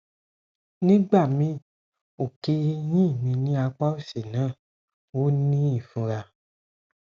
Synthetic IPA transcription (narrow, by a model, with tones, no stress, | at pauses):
nĩ˦ɡ͡ba˦˨mĩ˧˦ | o˨ke˧˦jĩ˦˨mĩ˧nĩ˦a˧k͡pa˦o˦˨si˨nãː˦˨ | wo˦nĩ˦i˨fũ˧ɾa˧